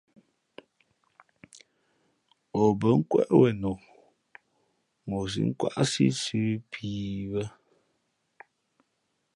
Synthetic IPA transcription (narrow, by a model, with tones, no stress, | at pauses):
ɔ˨bə˨˦ŋ̩˦kwɛ̰˦ʔwɛ˨nɔ˨ | mo˨s̬ḭ˨˦ŋ̩˦kwa̰˦˨ʔsḭ˦sʉ˦pʰiː˨wə˦